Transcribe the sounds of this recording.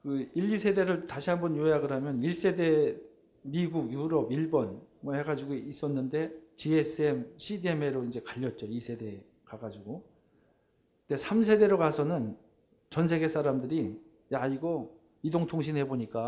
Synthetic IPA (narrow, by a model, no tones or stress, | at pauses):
kɯiʎːisʰe̞de̞ɾɯɭtaɕʰiɦanbʌnjoejaɡɯɾɦamjʌniɭs͈e̞de̞ | miɡuɡjuɾʌbiɭbʌnmwʌhe̞ɡad͡ʑiɡois͈ʌnːɯnde̞t͡ɕies͈ɯemɕʰideme̞ɾoind͡ʑe̞kaʎːʌt̚t͡ɕ͈oisʰe̞de̞ | kaɡad͡ʑiɡo | knde̞sʰams̬ʰe̞de̞ɾokasʰʌnɯn | t͡ɕʌnsʰe̞ɡe̞s͈ʰaɾamdɯɾi | jaiɡʌ | idoŋtʰoŋɕ̬ʰinhe̞boɲik͈a